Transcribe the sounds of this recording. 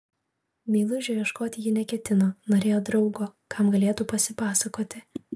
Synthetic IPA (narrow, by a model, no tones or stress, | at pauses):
mʲeːlˠʊʒʲɛʋʲjiɛʃkoːt̪ʲɪjɪnʲɛkʲɛt̪ʲɪnoːnoːɾʲeːjoːd̪ɾɒʊɡoːkʰɑˑmɡɐlʲeːt̪upɐsʲɪpɑːsɐkoːt̪ʲɪ